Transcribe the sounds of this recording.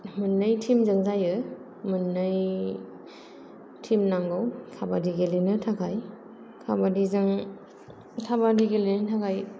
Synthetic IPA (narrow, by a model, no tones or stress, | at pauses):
mɯnːɯjtʰimzɯŋzajɯ | mɯnːɯj | tʰimnaŋɡawkʰabadiɡelenɯtʰakʰaj | kʰabadizɯŋ | tʰabadiɡelenɯtʰakʰaj